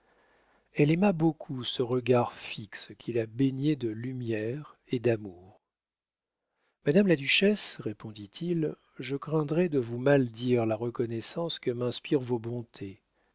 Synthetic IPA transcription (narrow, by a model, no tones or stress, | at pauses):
ɛlɛmabokʰusəʁəɡaʁfikskʲʰilabeɲed̪əlymjɛʁed̪amuːʁ | mad̪amlad̪yʃɛsʁepʰɔ̃d̪it̪ʰil | ʒəkχɛ̃d̪ʁɛd̪əvumald̪iʁlaʁəkɔnɛsɑ̃skəmɛ̃spiʁvobɔ̃t̪ʰe